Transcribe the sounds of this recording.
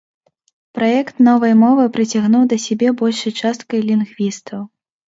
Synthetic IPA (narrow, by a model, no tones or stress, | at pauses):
pɾajɛkt̪nɔvɐjmɔvɨpɾɨt͡sʲaɣnuwd̪ɐsʲabʲɛbɔlʲʂɐjt͡ʂast̪̚kɐjlʲinɣvʲist̪ʰɐw